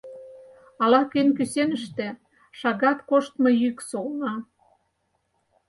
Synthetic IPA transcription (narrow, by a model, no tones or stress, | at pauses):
ɑlɑkenʲkysenəʃt̪ĕ | ʃɑɣɑt̪koʃt̪mɤ̆jyksolnɑ